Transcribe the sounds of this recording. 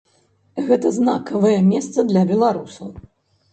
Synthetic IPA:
ɣɛt̪ɐznakɐvɐjɛmʲɛst̪sɐd̪lʲɐbʲɛlˠaɾusɐw

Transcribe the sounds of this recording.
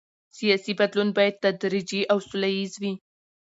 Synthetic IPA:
sijɑsibad̪lunbɑjad̪̚t̪ad̪ɾid͡ʒiʔawsʊlajizwi

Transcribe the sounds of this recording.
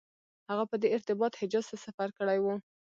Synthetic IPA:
haɣapəd̪eɪɾt̪ɪbɑt̪hɪd͡ʒɑz̥t̪asafaɾkəɽajwu

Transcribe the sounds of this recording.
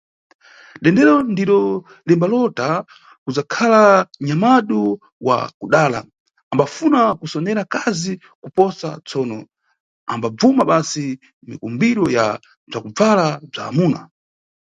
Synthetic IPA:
ɗɛndɛɾɔndiɾɔ | limbalɔta | kud͡zakʰalaɲamaɗu | wa̰kuɗaːla̰ | ambafunakusɔnɛɾakazi | kupɔsa̰t͡sɔːnɔ | ambab͡vumaɓasi | mikumbiɾɔja̰ | b͡ʐakub͡valab͡ʐa̰ːmuːna̰

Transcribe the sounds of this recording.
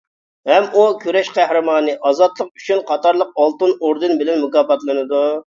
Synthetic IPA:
hɛmukʲøɾɛʃqʰæhɾɨmɑːnɨʔɑzɑt̪lˠəq̚y̥t͡ʃʰynqʰɑt̪ɑɾlˠəq̚ɑlˠt̪ɨnoɾd̪ɨnbɪlɛnmukɑːpɑt̪lˠɨnɨd̪u

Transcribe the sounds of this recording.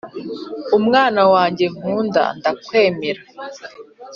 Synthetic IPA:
umŋaːnawaːɲɟe̞ŋ̥uːnda̰ndakwe̞ːmeɾa

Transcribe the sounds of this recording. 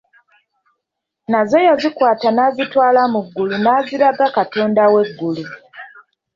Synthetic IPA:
nazo̞jazikwaːtanaːzitwaːlamuɡːulunaːziɾaɡakatoːndawe̞ɡːulu

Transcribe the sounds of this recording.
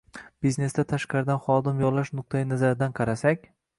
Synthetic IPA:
b̥izne̞st̪at̪ʰaʃqɑɾɪd̪anχɒd̪ɪmjɒlaʃnʊq̚t̪ʰajɪnazaɾɪd̪anqʰɑɾasakʲ

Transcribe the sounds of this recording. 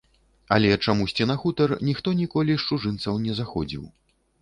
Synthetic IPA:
ɐ̰lʲɛt͡ʂamusʲt͡sʲinaxut̪ɐrnʲixt̪ɔnʲikɔlʲiʂt͡ʂuʐɨnt̪sɐwnʲɛzaxɔd͡zʲḭw

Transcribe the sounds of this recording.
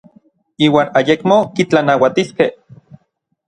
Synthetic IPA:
iːwaːnajekmokit͡ɬanawat̪iskeh

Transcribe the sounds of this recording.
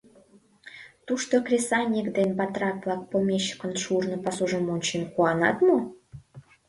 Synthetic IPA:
t̪uʃt̪okrʲesɑnʲikd̪enbɑt̪rɑk̚lɑk̚pomʲeɕːə̥kə̆nʃurnŏpɑsuʒəmonʲt͡ɕenkuɑnɑ̰t̪mu

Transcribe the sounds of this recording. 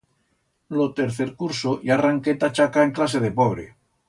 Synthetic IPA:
lot̪eɾθeɾkuɾsojaraŋket̪at͡ʃakaeŋklas̬eð̞epoβɾe

